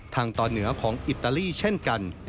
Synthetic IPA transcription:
t̪ʰaː˧ŋt̪ɔː˧nːɯ˩˦ɐkʰɔː˩˦ŋʔi˨˩t̪ːa˧liː˥˩t͡ɕʰe˥˩nka˧n

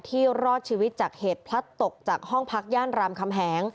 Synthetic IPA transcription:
t̪ʰiː˥˩wɾɔː˥˩t̚t͡ɕʰiː˧wi˦˥t̪̚t͡ɕaː˨˩k̚heː˨˩t̪̚pʰla˦˥t̪ːo˨˩k̚t͡ɕaː˨˩k̚hɔ˥˩ŋpʰa˦˥k̚jaː˥˩nɾaː˧mkʰa˧mɦɛː˩˦ŋ

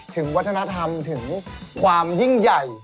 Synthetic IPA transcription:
t̪ʰɯ˨˩˦ŋwaː˧˦˥t̪̚ʰːna˧t̪ʰa˧mt̪ʰɯ˨˩˦ŋkwaː˧mzi˧˩ŋja˨˩j

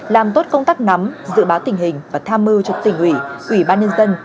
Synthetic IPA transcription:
laː˨˩mt̪o˦˥t̚kə˧wŋ͡mt̪aː˦˥k̚na˨˦mzɨ̰˧˨ɓaː˨˦wt̪ï˧˩ŋ̟ɦï˨˩ŋ̟vaː˨˩t̪ʰaː˧mːɨ˧wt͡ɕɔ˨˧˩t̪ï˧˩ŋ̟ʔwḭ˧˩ʔwi˧˩ɓaː˧nɲə˧nzə˧n

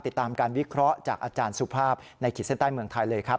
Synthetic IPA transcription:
t̪i˨˩t̪ːaː˧mkaː˧nwi˦˥kʰɾɔ˦˥ʔt͡ɕaː˨˩k̚ʔaː˧t͡ɕaː˧nsu˧˩pʰaː˥˩p̚na˧jkʰiː˨˩se˥nt̪aː˥˩jmɯ˧əŋt̪ʰa˧jlɤː˧jkʰa˦˥p̚

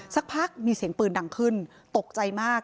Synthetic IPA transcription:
sa˦˥k̚pʰa˦˥k̚miː˧siː˨˩˦əŋpɯː˨˩nda˨˩ŋkʰɯ˥˩n | t̪o˨˩k̚t͡ɕa˧jmaː˥˩k̚

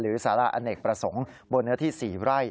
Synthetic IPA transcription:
ɾɯː˩˦saː˩˦ɾa˧ʔa̰˧ne˨˩k̚pɾa˧so˨˩˦ŋbo˧nːɯ˦˥ɐt̪ʰiː˥˩siː˨˩ɾa˥˩j

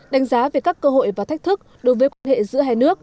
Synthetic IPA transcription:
ɗa˨˦ŋ̟zaː˨˦ve˨˩kaː˦˥kːəː˧ɦo̰˧˨jvaː˨˩t̪ʰa˦˥k̟̚t̪ʰɨ˦˥k̚ɗo˨˦jvəː˨˦jkwaː˧nhḛ˧˨zɨ̰˧˥əɦaː˧jnɨ˦˥ək̚

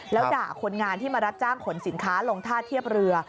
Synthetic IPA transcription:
lɛː˦˥ja̰ː˨˩kʰo˧nŋaː˧nt̪ʰiː˥˩maː˧ɾa˦˥t̪̚t͡ɕaː˥˩ŋkʰo˩˦nsi˩˦nkʰaː˦˥lo˧ŋt̪ʰaː˥˩t̪ʰːi˥˩əp̚ɾɯ˧ɐ

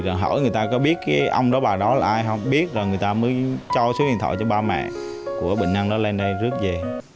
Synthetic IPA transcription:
zɔː˨˩ɦə̰˧˩jŋɨ˨˩əjt̪aː˧kɔ˨˦ɓi˦˥ət̚kaː˨˦jʔə˧wŋ͡mɗɔ˨˦ɓaː˨˩ɗɔ˨˦laː˨˩ʔaː˧jɦə˧wŋ͡mɓi˦˥ət̚zɔ˨˩ŋɨ˨˩əjt̪aː˧məː˨˦jt͡ɕɔ˧sɨː˨˦hḭ˧˨nt̪ʰɔ̰˧˨jt͡ɕɔ˧ɓaː˧mɛ̰˧˨ | ku˧˩əɓḭ˧˨ŋ̟ʔa˧ŋɗɔ˨˦le˧nɗə˧jzɨ˦˥ət̚ze˨˩

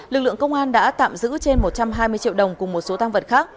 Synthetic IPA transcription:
lɨ˨˩k̚lɨ̰˧˨əŋkə˧wŋ͡mʔaː˧nɗa̰ː˧˥t̪a̰ː˧˨mzɨ̰˧˥t͡ɕe˧nmo˨˩t̚t͡ɕa˧mɦaː˧jmɨ˧ət͡ɕḭ˧˨əwɗə˨˩wŋ͡mkʊ˨˩ŋ͡mmo˨˩t̚so˨˦t̪aː˧ŋvə˨˩t̚xaː˦˥k̚

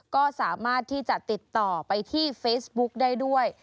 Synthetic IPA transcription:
kɔː˥˩saː˩˦maː˥˩t̪ʰːiː˥˩t͡ɕa˨˩ʔt̪i˨˩t̪ːɔː˨˩pa˧jt̪ʰiː˥˩feː˦˥sbu˦˥k̚daː˥˩jdu˥˩əj

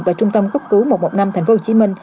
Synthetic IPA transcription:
vaː˨˩t͡ɕʊ˧ŋ͡mt̪ə˧mku˦˥p̚kɨ˨˦wmo˨˩mo̰˨˩na˧mt̪ʰɛ˨˩ŋ̟fo˨˦ho˧˨˩i˨˦mï˧ŋ̟

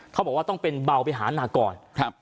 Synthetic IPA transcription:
t̪ʰbɔː˨˩kwaː˥˩t̪ɔ˥˩ŋpe˧nba˧wpa˧jɦaː˩˦˥naː˧kɔː˧nʰa˦˧p̚

